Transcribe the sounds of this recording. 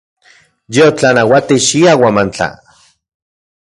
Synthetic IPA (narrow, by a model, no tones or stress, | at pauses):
jeot͡ɬanawat̪iʃiawamant͡ɬa̰